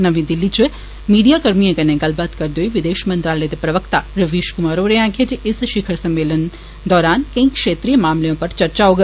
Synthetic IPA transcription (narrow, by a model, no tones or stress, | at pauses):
nɐʋĩd̪ɪlːit͡ʃo | miːɖijakɐɾmijãkɐnẽɡɐlbaːt̪kɐɾd̪oːiʋɪd̪eːʃmɐ̃nt̪ɾaːləjd̪epɾɐʋəkt̪aɾɐʋiːʃkʊmaːɾoːɾeãːɡʰʱed͡ʒɪsʃɪkʰəɾsɐ̃mːeːlən | d̪ɔːɾaːnkɐ̃ĩkʃeːt̪ɾijəmaːmlejõpɐɾt͡ʃɐɾt͡ʃaoɡɐ